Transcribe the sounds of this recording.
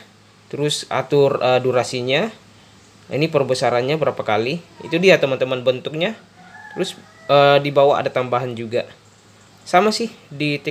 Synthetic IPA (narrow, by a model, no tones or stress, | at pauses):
t̪əɾʊsa̰t̪ʊrəduɾasiɲa | ḭnipərbəsaɾanɲabəɾapakaliḭt̪udiat̪əmant̪əmanbənt̪ʊk̚ɲa | t̪əɾʊs | ədibawaa̰dat̪ambaɦand͡ʒuɡa | samasɪhdit̪e